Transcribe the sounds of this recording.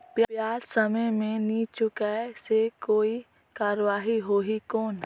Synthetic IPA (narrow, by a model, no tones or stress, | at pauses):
pjpjaːɾsəməjmẽnit͡ʃʊkasekoːi | kaːɾʋaːɦiɦoːɦikɔːn